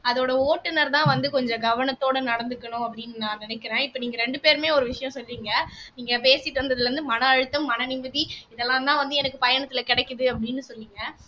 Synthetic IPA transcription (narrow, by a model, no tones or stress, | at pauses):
ɐðoːɽɐoːʈːɯnɐɾt̪ãːʋɐnd̪ɯkɔɲd͡ʒɐ̃ɡɐʋɐnɐt̪ːoːɽɐnɐɽɐnd̪ɯkːɐɳʊ̃ɐpːɐɽɪnːɯnãːnɪnɛkːɪɾẽːɪpːɐniːŋɡɐɾɛɳɖɯpeːɾmeːɔɾɯʋɪʂɐjɐ̃sɔlːiːŋɡɐniːŋɡɐpeːsɪʈːɐnd̪ɐðɯlɾɯnd̪ɯmɐnɐːɻɯt̪ːɐmːɐnɐnɪmɐðiɪðɛlːãːt̪ãːʋɐnd̪ɯɛnɐkːɯpɐjɐɳɐt̪ːɪlɐkɪɽɛkːɯðɯɐpːɐɽɪnːɯsɔlːiːŋɡɐ